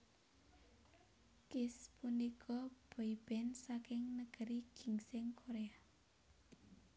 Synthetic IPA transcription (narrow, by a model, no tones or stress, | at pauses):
kɪspunikʰɔb̥ɔib̥ɛnsakɪŋnəɡ̥əɾiɡ̥i̤ŋsɪŋkʰoɾea